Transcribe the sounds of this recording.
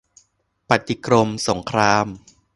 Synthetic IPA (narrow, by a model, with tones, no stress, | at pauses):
pa˨˩t̪i˧˩kɾo˧mso˩˦ŋkʰɾaː˧m